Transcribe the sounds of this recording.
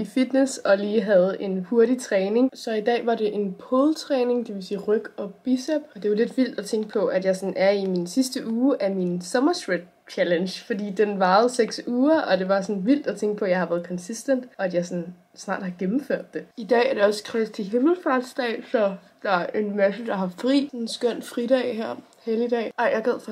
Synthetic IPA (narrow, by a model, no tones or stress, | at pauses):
ifid̥nesɒ̽liːɦæð̞̩ˠe̝nho̝ɐɾit͡sʰʁɛːne̝ŋsɒ̽id̥ɛ̰ːʋɑ̈ɾe̝ʔe̝npʰolˠt͡sʰʁɛːne̝ŋd̥eʋe̝siːʁœɡ̥ɒ̽b̥isɛb̥ɒ̽d̥e̝jole̝d̥ʋil̰d̥æt͡sʰeŋ̰ɡ̥əpʰɒ̽ʔæd̥jɑ̈ɪsɒ̽næɐiminsisd̥əʔuːʔæminsɒ̽mɐsɡ̥ʁed̥̚ | t͡ɕʰælenɕfɒ̽d̥ḭːd̥enʋɑ̈ːð̩ˠseɡ̥suːɐʔɒ̽d̥e̝ʋɑ̈sɒ̽nʋil̰d̥æt͡sʰeŋɡ̥əpʰɒ̽jɑ̈ɪhɑ̈ʋæːɐðˠkʰɒ̽nsisd̥en̰d̥ɒ̽æd̥jɑ̈ɪsɒn | snɑ̰̈ːd̥hɑ̈ɡ̥emm̩føɐ̰d̥ːe̝id̥ɛ̰ːæɐɾ̥e̝ɒ̽skʰʁɛst͡sʰe̝ɦeml̩fɑd̥sd̥ɛ̰ːsɒ̽ | d̥ɑ̈æɐʔe̝nmæsəd̥ɑ̈ɦɑ̈fʁḭːsnsɡ̥øn̰̥fʁiɾ̥ɛ̰ːhæɐ̰ | heliəd̥ɛ̰ːɑɪjɑ̈ɡ̥æð̰ˠfɒ